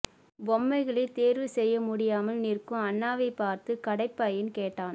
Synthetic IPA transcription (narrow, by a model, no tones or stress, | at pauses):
bɔmːɐɪɣɐɭɐɪt̪eːɾʋɯsɛjːɐmʊɽɪjaːmɐlnɪrkːɯ̃mɐnːaːʋɐɪpːaːɾt̪ɯkɐɽɐɪpːaːjɪnkeːʈːaːn